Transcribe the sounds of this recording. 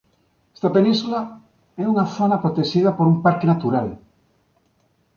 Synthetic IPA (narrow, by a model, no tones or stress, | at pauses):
ɛ̥st̪apenĩnsula | ɛuŋaθonapɾot̪eʃið̞apoɾumpaɾkenat̪uɾal